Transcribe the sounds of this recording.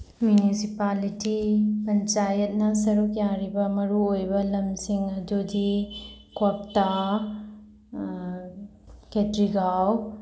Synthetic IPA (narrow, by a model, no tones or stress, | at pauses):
mjunisipalitipɐnt͡ʃajɐt̚nɐsɐɾukjaɾibɐmɐɾuojbɐlɐmsiŋɐdudi | kop̚ta | ketɾiɡaw